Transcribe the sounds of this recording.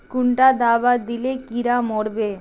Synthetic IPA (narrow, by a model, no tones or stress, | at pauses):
kuɳʈad̪abad̪ilekiɾamɔɽbe